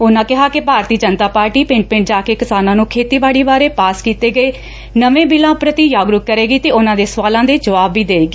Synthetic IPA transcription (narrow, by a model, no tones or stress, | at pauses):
ʊnãːkɪɦaːkɪbʱaːɾt̪iːəd͡ʒənt̪aːpaːɾʈiːpɪ̃ɳʈ̚pɪ̃ɳʈ̚d͡ʒaːkeːkɪsaːnãːnũːkʰeːt̪iːbaːɽiːbaːɾeːpaːskiːt̪eːɡəeː | nəʋẽːbɪlãːpɾət̪iːjaːɡɾʊkkəɾeːɡiːt̪eːʊnãːd̪eːsʋaːlãːd̪eːd͡ʒəʋaːbːiːd̪eːɡeː